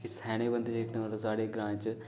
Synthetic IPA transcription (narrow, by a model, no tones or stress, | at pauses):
ɪshɛːɽ̃ebə̃nd̪eːkʰnẽʋalõsaːɽeɡɾãːt͡ʃ